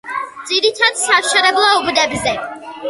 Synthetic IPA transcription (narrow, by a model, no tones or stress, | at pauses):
d̪z̥id̪it̪ʰad̪saʃaɾɛblˠaubd̪ɛbzɛ